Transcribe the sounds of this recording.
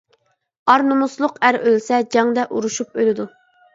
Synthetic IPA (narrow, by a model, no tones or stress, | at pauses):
ɑɾnumuslˠʊqæɾølsɛd͡ʒɑŋd̪ɛʔuɾuʃup̚ølɪd̪u